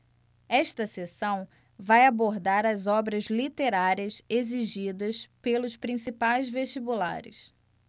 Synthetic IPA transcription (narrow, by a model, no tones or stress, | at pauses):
ɛʃt̪ɐsesɐ̃w̃ | vajaboɾd̪aɾɐzɔbɾɐzlit̪eɾaɾiɐseziʒid̪ɐspelʊspɾĩsipajzveʃt͡ʃibula̰ɾɪ̰s